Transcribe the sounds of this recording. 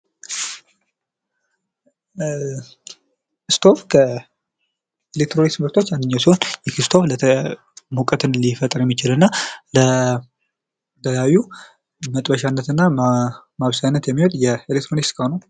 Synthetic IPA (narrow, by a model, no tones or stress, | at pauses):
kɨst̪ʰo̞fkʰə | elek̚t̪ʰɾonismɨɾt̪ʰo̞t͡ʃːandɨɲːawsihonjɛkʰist̪ʰo̞flə | mukʼət̪ɨnlifət̪ʼɨɾjɛmːit͡ʃɪlɨnːalə | t̪ʰəjawjːu | mət̪ʼbəʃanːət̪ɨnːamaβsajnːət̪jɛmːiho̞t̪jɛelek̚t̪ʰɾonikskʰəhonəw